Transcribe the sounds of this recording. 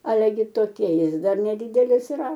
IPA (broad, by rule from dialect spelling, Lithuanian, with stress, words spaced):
ˈɑːlʲɛ ɡʲɪ toːˈkʲiɛ ˈjɪs ˈdɐr nʲɛˈdʲiːdʲɛlʲɪs iːˈrɐ